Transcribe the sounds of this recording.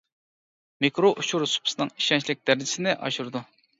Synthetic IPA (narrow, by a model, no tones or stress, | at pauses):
mikɾoʔuʃuɾsu̥pʰʊ̥sɨnɨŋi̥ʃɛnt͡ʃʰlɪk̚ʲd̪̥æɾɪd͡ʒɪ̥sɪnɪʔɑ̰ʃuɾd̪u